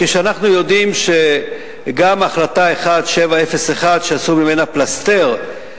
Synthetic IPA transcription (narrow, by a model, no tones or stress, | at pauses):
keʃeanaχnujo̞d̪imʃe̞ | ɡamaχlat̪ae̞χadʃe̞vae̞fe̞seχad̪ʃeasumime̞naplast̪e̞ʁ